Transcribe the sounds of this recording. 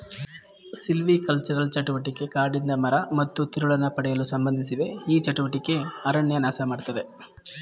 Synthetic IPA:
silʋikɐlt͡ʃɐɾɐlt͡ʃɐʈuʋɐʈikːe̞kaːɾɖind̪ɐmɐɾɐmɐt̪ːut̪iɾuɭɐnːɐpɐɽɛjɐlusɐmbɐnd̪ʱisid̪e̞iːt͡ʃɐʈuʋɐʈikːe̞ɐɾɐɳjɐnaːsɐmaːɽt̪ɐd̪e̞

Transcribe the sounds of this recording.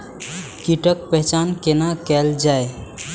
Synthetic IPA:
kiʈək̚pɛɦt͡ʃankenakɛld͡ʒaj

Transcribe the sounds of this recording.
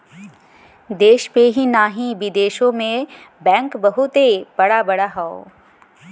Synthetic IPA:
d̪eːʃpeɦinaːɦĩʋɪd̪eːʃõmẽbɛ̃ːŋkbɐɦut̪ebɐɽabɐɽaɦao̰ː

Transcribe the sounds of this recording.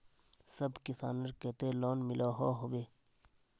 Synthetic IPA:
sɐbkisa̰ːnɐɾket̪eloːnmilʔaːɦoːɦobeː

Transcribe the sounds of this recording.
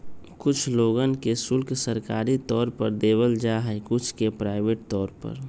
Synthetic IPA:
kʊt͡ʃʰloːɡənkesʊlkʰsəɾkaːɾit̪ɔːɾpəɾd̪eːbəld͡ʒaːɦɛkʊt͡ʃʰkepɾaːɪbeːʈ̚t̪ɔːɾpə̰ɾ

